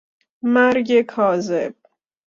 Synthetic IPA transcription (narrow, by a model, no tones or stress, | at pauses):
mæɾɟekʰɒːzeb̥̚